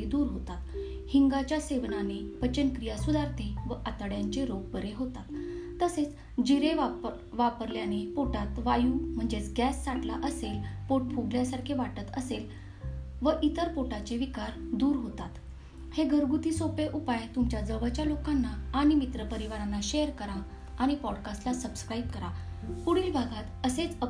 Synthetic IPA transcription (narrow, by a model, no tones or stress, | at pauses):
id̪uːɾɦot̪at̪ | hiŋɡat͡ɕjaseʋnanepət͡ɕənkɾijasud̪ʱaɾt̪ʰẽʋəʔat̪əɽjaɲt͡ɕeɾoɡ̚bəɾeɦot̪at̪ː | əset͡s | d͡ʑiɾeʋa | ʋapəɾljanepoʈat̪ʋajuːm̤əɳd͡ʑet͡sɡæsːaʈlaʔəselpoʈ̚pʰuɡljasaɾkʰeʋaʈət̪əsel | ʋəʔit̪əɾpoʈat͡ɕeʋikaɾd̪uːɾɦot̪at̪ | heɡʱəɾɡut̪iːsopeʔupajt̪umt͡ɕjad͡zəʋəɭt͡ɕjalokanːaːɽ̃imit̪ɾəpəɾiʋaɾanːaɕejəɾkəɾa | aɽ̃ipɔɽkasʈlasəbskɾaib̚kəɾapuɽiːlbʱaɡat̪əset͡sə